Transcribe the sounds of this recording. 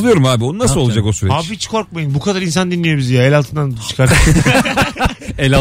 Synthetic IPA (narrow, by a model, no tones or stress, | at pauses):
lˠɯjo̞ɾumaːbionunasɯolˠad͡ʒako̞syɾɛhaːbihit͡ʃkʰo̞ɾk̚majɯnbukʰad̪aɾins̬and̪inlʲːijo̞bizjaelʲalˠt̪ɯnd̪ant͡ʃʰɯ̥kʰaɾ | ɛlʲa